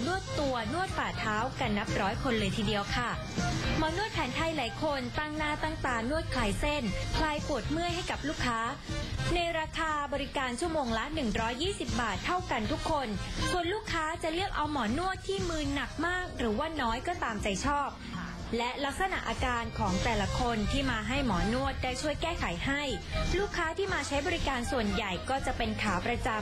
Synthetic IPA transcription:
nu˥˩ət̪ːu˧ɐnu˥˩ət̪̚faː˨˩t̪ʰaː˦˥wka˧nːa˦˥p̚ɾɔː˦˥jkʰo˧nlɤː˧jt̪ʰiː˧di˧əwkʰa˥˩ | mɔː˩˦nu˥˩t̪̚pʰɛː˩˦nt̪ʰa˧jlaː˩˦jkʰo˧nt̪a˧˩ŋnaː˥˩t̪aː˥˩ŋt̪aː˨˩nu˥˩ət̪̚kʰlaː˧jse˥˩npʰlaː˧jpu˨˩ət̪̚mɯ˥˩əjha˥˩jka˨˩p̚luː˥˩kʰːaː˦˥na˧jɾaː˧kʰaː˧bɔː˧ɾi˦˥kaː˧nt͡ɕʰu˥˩əmoː˧ŋla˦˥nɯ˨˩ŋɾɔː˦˥jːiː˥˩si˨˩p̚baː˨˩t̪ʰːa˥˩wka˧nt̪ʰu˦˥kʰːo˧nsu˨˩ənluː˥˩kʰːaː˦˥t͡ɕa˨˩ʔlɯ˥˩ək̚ʔa˧wmɔː˩˦nu˥˩ət̪ʰːiː˥˩mɯː˧na˨˩k̚maː˥˩k̚ɾɯː˩˦waː˥˩nɔː˦˥jkɔː˥˩t̪aː˧mt͡ɕa˨˩jt͡ɕʰɔː˥˩p̚ | lɛ˦˥ʔla˦˥k̚sa˧na̰˨˩ʔaː˧kaː˧nkʰɔː˩˦ŋt̪ɛː˨˩la˧kʰo˧nt̪ʰiː˥˩maː˧ɦa˥˩jmɔː˩˦nu˥˩ət̪̚daː˥˩jt͡ɕʰu˥˩əjkɛː˥˩kʰa˩˦jha˥˩jluː˥˩kʰːaː˦˥t̪ʰiː˥˩maː˧t͡ɕʰa˦˥jbɔː˧ɾi˦kaː˧nsu˨˩ənja˨˩jkɔː˥˩t͡ɕa˨˩pe˧nkʰaː˩˦pɾa˧t͡ɕa˧

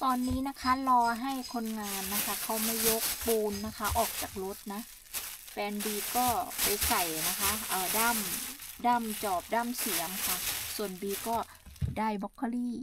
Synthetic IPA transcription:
t̪ɔː˧nːiː˦˥na˦˥kʰa˦˥lɔː˧ɦa˥˩jkʰo˧nŋaː˧nːa˦˥kʰa˦˥kʰa˦˥wma˥˩jo˦˥k̚puː˧nːa˦˥kʰa˦˥ʔɔː˨˩k̚t͡ɕaː˨˩k̚lo˦˥t̪̚na˦˥ | fɛː˧nbiː˧kɔː˥˩pa˧jsa˨˩jna˦˥kʰa˦˥ʔaː˨˩daː˥˩mdaː˥˩mt͡ɕɔː˨˩p̚daː˥˩msi˩˦əmkʰa˥˩su˨˩ənbiː˧kɔː˥˩ | daː˥˩jbɔ˦˥kʰːa˧liː˥˩

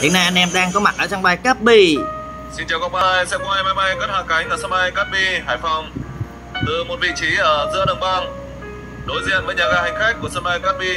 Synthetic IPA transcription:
ɗi˨˦na˧jʔa˧nʔɛ˧mɗaː˧ŋkɔ˨˦ma̰˨˩t̚ʔəː˧˩t͡ɕa˧ŋɓaː˧˩jkaː˦˥p̚ɓi˧˩ | si˧nt͡ɕaː˨˩wka˧w̚k͡p̚ɓaː˧jsɛ̰˧˥kŋ͡mha˧jmaː˧jma˧jkə˦˥t̚hwaː˧˩ka˨˦jŋ̟ʔəː˧˩səː˧n̚ɓa˧jkaː˦˥p̚ɓi˧haː˧˩jfa˧wŋ͡m | t̪ɨ˨˩mo˨˩t̚vḭ˧˨t͡ɕi˨˦ʔəː˧˩zɨ̰˧˥əɗə˨˩ŋ͡mɓa˧ŋ | ɗo˨˦jzḭ˧˨ənvəː˨˦jɲaː˨˩ɣaː˧hï˨˧˩ŋ̟xa˦˥k̟̚ku˧˩əsəː˧˥ɓa˧jkaː˦˥p̚ɓi˧

